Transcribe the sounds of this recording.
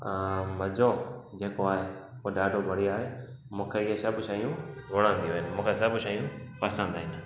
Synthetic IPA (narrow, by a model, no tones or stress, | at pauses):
mɐzod͡ʑeːkoaːɦeuɖaːɖʱobʱɐɽ̤iaːɦe | mũːkʰeɪɦesɐbʃaːɦijũʋoɽ̃ãːnd̪ijoɦɪnɪ̆mũːkʰesɐbʃaːɦijũpɐsə̃nd̪aːɦɪnɪ̆